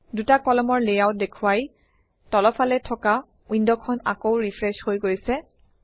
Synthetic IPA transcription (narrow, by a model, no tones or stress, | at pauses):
dutakɔlɔmɔɹlejawt̚dekʰuwaj | tɔlɔpʰalɛtʰɔka | indɔkʰɔna̰kowɹipʰɹɛshojɡojsɛ